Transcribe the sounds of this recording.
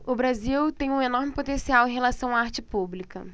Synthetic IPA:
ʊbɾaziwt̪ẽj̃ũenɔɾmɪpot̪ẽsiawẽɦelasɐ̃w̃aaɾt͡ʃɪpublikɐ

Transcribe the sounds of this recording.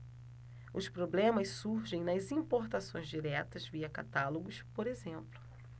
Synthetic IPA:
ʊspɾoblẽmɐssuɾʒẽj̃nɐzĩpoɾt̪asõj̃zd͡ʒiɾɛt̪ɐzviɐka̰t̪aloɡʊspoɾezẽmplʊ̥

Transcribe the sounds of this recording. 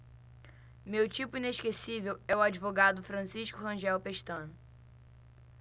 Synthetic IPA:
mewt͡ʃipʊĩneʃkesivewɛʊad͡ʒivoɡad̪ʊfɾɐ̃siʃkʊɦɐ̃ʒɛwpeʃt̪ɐ̃nʊ

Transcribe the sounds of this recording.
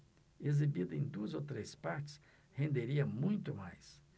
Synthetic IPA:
ezibid̪ʊẽj̃d̪uɐzowt̪ɾejspaɾt͡ʃɪ̥s | hẽnd̪eɾiɐmũj̃t̪ʊmajs

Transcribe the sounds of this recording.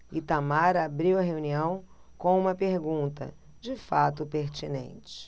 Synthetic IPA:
ɪt̪amaɾɐabɾiwɐɦeuniɐ̃w̃ | kõũmɐpeɾɡũnt̪ɐ̰ | d͡ʒɪfat̪ʊpeɾt͡ʃinḛ̃nt͡ʃɪ̥

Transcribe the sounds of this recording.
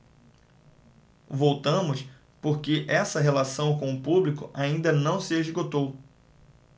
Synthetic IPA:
vowt̪ɐ̃mʊs | poɾkɪʔɛsɐɦelasɐ̃w̃kõʊpublikʊʔaĩnd̪ɐnɐ̃w̃sɪeʒɡot̪ow

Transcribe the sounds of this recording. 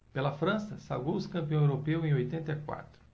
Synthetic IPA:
pelɐfɾɐ̃sɐsawɡowʊskɐ̃mpiɐ̃ewɾopewẽojt̪ẽnt̪ɐikwa̰t̪ɾʊ̥

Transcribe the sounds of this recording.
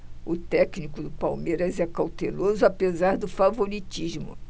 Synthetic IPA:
ʊt̪ɛknikʊd̪ʊpawmeɾɐzɛkawt̪elozʊapezaɾd̪ʊfavoɾit͡ʃiʒmʊ̰

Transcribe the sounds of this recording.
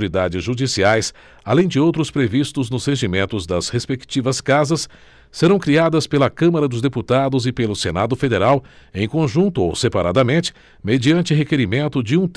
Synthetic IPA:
ɾid̪ad͡ʒɪzʒud͡ʒisiajs | alẽj̃d͡ʒɪowt̪ɾʊspɾevist̪ʊznʊzheʒimẽnt̪ʊzd̪ɐshespekt͡ʃivɐskazɐsː | eɾɐ̃w̃kɾiad̪ɐspelɐkɐ̃mɐɾɐd̪ʊzd̪eput̪ad̪ʊzɪpelʊsenad̪ʊfed̪eɾawẽj̃kõʒũnt̪ʊo̰wsepaɾad̪ɐmẽnt͡ʃɪ̥ | med͡ʒiɐ̃nt͡ʃɪɦekeɾimẽnt̪ʊd͡ʒɪũt̪

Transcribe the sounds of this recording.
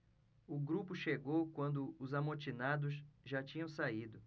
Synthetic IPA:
ʊɡɾupʊʃeɡowkwɐ̃nd̪ʊʊzamot͡ʃinad̪ʊsʒat͡ʃĩɲɐ̃w̃said̪ʊ

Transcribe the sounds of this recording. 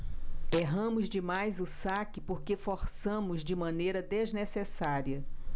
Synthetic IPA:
eɦɐ̃mʊzd͡ʒɪmajzʊsakɪpoɾkefoɾsɐ̃mʊzd͡ʒɪmɐ̃nejɾɐd̪eznesesaɾiɐ

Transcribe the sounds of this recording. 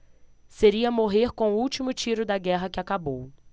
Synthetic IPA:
seɾiɐmoɦeɾkõw̃ʊuwt͡ʃimʊt͡ʃiɾʊd̪ɐɡɛɦɐkɪakabow

